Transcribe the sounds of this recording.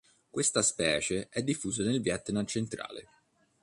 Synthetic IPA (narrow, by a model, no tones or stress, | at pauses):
kwest̪aspɛːt͡ʃeʔɛd̪ːifːuːzanelvjat̪ːnat͡ʃent̪ɾa̰ːlḛ